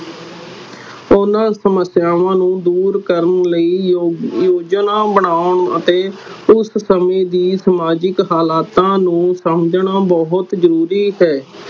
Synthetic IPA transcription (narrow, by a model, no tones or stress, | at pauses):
ʊnãːsəməsɪjaːʋãːnũːd̪uːɾkəɾənləiːjoːd͡ʒnãːbəɳaːʊɳə̰t̪eːʊssəmẽːd̪iːsəmaːd͡ʒɪkɦaːlaːt̪ãːnũːsəmd͡ʒɳaːbɔɦʊt̪zəɾuːɾiːɦɛː